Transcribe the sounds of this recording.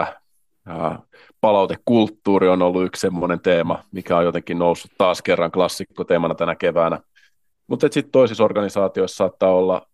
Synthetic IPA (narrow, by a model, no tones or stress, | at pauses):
pɑlɑut̪ekkult̪ːuːɾionolːuykssemːonent̪eːmɑmikæojot̪eŋkːinnousːu̥t̪t̪ɑːskerːɑŋklɑsːikːot̪eːmɑnɑt̪ænækeʋæːnæ | mut̪et̪sit̪t̪oisisorɡ̥ɑnisɑːt̪ioissɑːt̪ːɑːolːɑ̰